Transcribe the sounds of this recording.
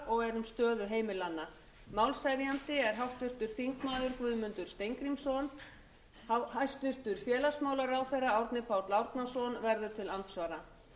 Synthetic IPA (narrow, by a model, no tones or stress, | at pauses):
ɔɣɛɾʏmst̪œːðʏɦeːjmɪlanːa | mawlsajɾijant̪ɪɛɾ̥ɦawht̪ʏr̥t̪ʏɾ̥θiŋkmaːðʏɾkvʏːðmʏnt̪ʏɾ̥st̪ejŋkɾimsɔn | hahajst̪ʏr̥t̪ʏɾ̥fjɛːlasmaːwlaɾawθɛjrːaawɾt̪nɪpʰawɾt̪lawɾt̪nasɔnvɛɾðʏɾ̥t̪ʰɪlant̪svaːɾa